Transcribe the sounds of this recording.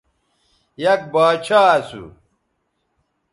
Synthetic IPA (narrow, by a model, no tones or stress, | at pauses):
jɐk̚baːt͡ɕʰaːɐsṵ